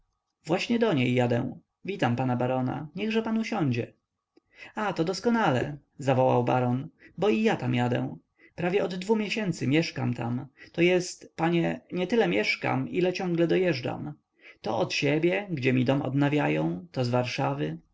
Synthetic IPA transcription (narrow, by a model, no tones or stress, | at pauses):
vwaɕɲɛd̪ɔɲejːad̪ɛ̰w̃ | vʲit̪ampanabaɾɔna̰ɲɛɣʐɛpanuɕɔɲd͡ʑɛ | at̪ɔd̪ɔskɔnalɛ̰ | zavɔwa̰wba̰ɾɔnbɔijat̪amjad̪ɛ̰̃ | pɾavʲjɛɔd̪ːvumʲjeɕɛnt̪sɘmʲjɛʂka̰mt̪amt̪ɔjɛst̪paɲɛɲɛt̪ɘlɛmʲjɛʂka̰milɛt͡ɕɔ̃ŋɡlɛd̪ɔjɛʐd͡ʐa̰m | t̪ɔ̰ʔɔt̪ɕɛbʲjɛɡd͡ʑɛmʲid̪ɔmɔ̰d̪navʲjajɔ̃w̃t̪ɔzvaɾʂavɘ